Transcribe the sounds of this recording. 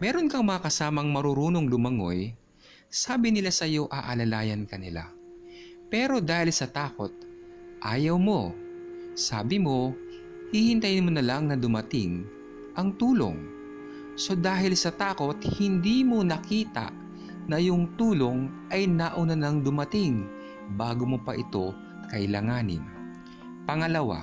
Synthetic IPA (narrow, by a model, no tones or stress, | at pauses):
mɛːɾo̞nkɐŋmɐŋakɐsaːmɐŋmɐɾuɾuːnoŋlʊmɐŋo̞̰j | saːbɪnɪlasɐjo̞ʔɐʔɐlɐlaːjɐnkɐnɪ̰la̰ | pɛːɾo̞d̪aːhɪlsɐt̪aːko̞̰t̪̚ʔaːjɐwmo̞ | sa̰ːbɪmo̞ | hihɪnt̪ɐjnmonɐlaŋnɐd̪ʊmɐt̪ɪŋ | ʔɐŋt̪uːlo̞̰ŋ | so̞d̪aːɦɪlsɐt̪aːko̞t̪̚hɪnd̪iːmo̞nɐkiːt̪ɐ̰ʔ | nɐjʊŋt̪uːlo̞ŋʔɐjnaʔʊnɐnɐŋd̪ʊmɐt̪ɪŋ | baːɡomopɐʔɪt̪o̞ | kɐʔɪlaːŋaːnɪ̰n | pɐŋɐlɐwa̰